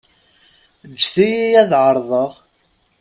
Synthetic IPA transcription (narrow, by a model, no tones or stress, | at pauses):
d͡ʒːθijijæðʕəɾˤðˤəʁ